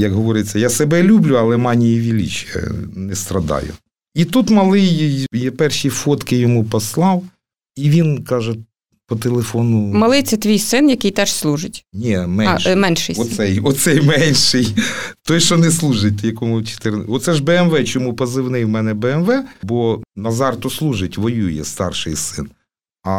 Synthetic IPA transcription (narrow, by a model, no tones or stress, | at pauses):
jɐkɦɔʋɔɾɪt͡sʲːɐjasɛbɛlʲublʲʊɐlˠɛmɑnʲijiʋʲilʲḭt͡ʃjɐ̰nɛst̪ɾɐd̪ɑ̰jʊ̰ | it̪ut̪mɐlˠɪjjɛpɛrʃifɔt̪kɪjɔmupɔslˠɑw | iʋʲinkɑʒɛ | pɔt̪elˠefɔnʊmɐlˠɪt̪sʲɐt̪ʋʲijsɪnjɐkɪjt̪ɛʃslˠuʒɪtʲnʲimɛnʃmɛnʃɪ̰jɔsɛjɔsɛjmɛnʲʃɪjt̪ɔjʃɔnɛslˠuʒɪt̚ʲt̪jɐkɔmʊt͡ʃe̥t̪ɪɾnɔt̪sɛʒbɛɛmʋɛt͡ʃɔmupɐzɪwnɪjwmɛnɛbɛɛmʋɛbɔnɐzɑrt̪ɔslˠuʒɪtʲʋɔjujɛ̰st̪ɑ̰rʃɪjsɪ̰n | ɐ